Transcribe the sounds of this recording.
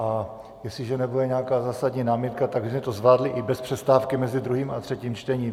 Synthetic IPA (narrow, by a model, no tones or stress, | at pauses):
ʔa | jɛslɪʒɛnɛbudɛɲɛakaːzaːsadɲiːnaːmjɛt̪kat̪aɡmɛt̪ozvlaːdlɪʔɪbɛspr̥ɛst̪aːfkɪmɛzɪd̪ɾuɦiːmat̪r̥ɛciːmt͡ʃt̪ɛɲiː